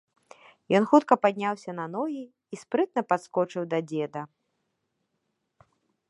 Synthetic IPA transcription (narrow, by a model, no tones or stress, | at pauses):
jɔnxut̪kɐpad̪ʲnʲawsʲɐnɐnɔjiː | spɾɨt̪̚nɐpat̪skɔt͡ʂɨwd̪ɐd͡zʲɛd̪ɐ